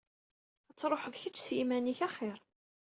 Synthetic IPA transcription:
æt͡sːɾˤoħəðˤçət͡ʃːsjimæniçaχɪɾ

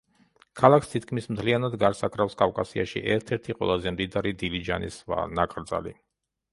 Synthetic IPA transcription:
kʰalˠakʰst̪ʰit̪̚kʰmismt̪ʰlianad̪ɡaɾsakʰʼɾafskʼavkʼasiaʃḭʔɛɾt̪ʰɛɾt̪ʰiqʼwɛ̰lˠazɛmd̪id̪aɾid̪ilid͡ʒa̰nḭsva̰nakʼɾd̪za̰lḭ

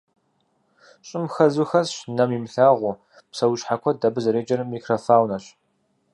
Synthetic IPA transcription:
ɕʼɪmxɐzuxɐzɕnɐmimɬaːʁʷu | psɐwʃħakʷʰɔdɐbɨzɐɾeːd͡ʒʼɐrmiːkʰrɐfaːwnɐɕ

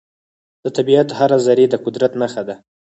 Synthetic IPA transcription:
d̪̥ət̪abiat̪haɾazaɾed̪əqʊd̪ɾat̪naxad̪a

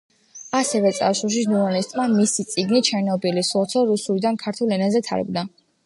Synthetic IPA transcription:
asɛvɛt̪sʼa̰suʃ̬isnuɾalist̪ʼmamisit̪sʼiɡnit͡ʃʰɛnɔbilisɔt̪sʰɔɾusulid̪ankʰaɾt̪ʰulˠɛnazɛt̪ʰa̰ɾɛ̰bd̪a

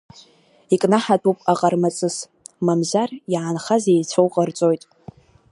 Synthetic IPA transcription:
ikʼnaħatʰʼupʼaqʼarmat͡sʼɨs | mamzarjʕanχazejt͡sʷʰowqʼart͡sʼojtʼ

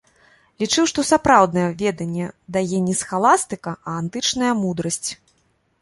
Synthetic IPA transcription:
lʲit͡ʂɨwʂt̪ɔsapɾawd̪nɐjɛvʲɛd̪ɐnʲːɛd̪ajɛnʲɛsxalˠast̪ɨkɐɐːnt̪ɨt͡ʂnɐjɐmud̪ɾɐsʲt͡sʲ

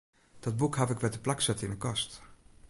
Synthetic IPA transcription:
d̥ɔd̚bukhavɪkʋɛtəplaksɛtɪnəkɑst

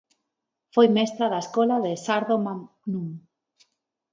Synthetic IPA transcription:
fojmɛst̪ɾaðaeskolaðesaɾðoma | nũŋ

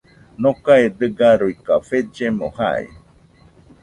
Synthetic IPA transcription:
nokaed̪ɨɡaɾujkafed͡ʒemoha̰ḛ

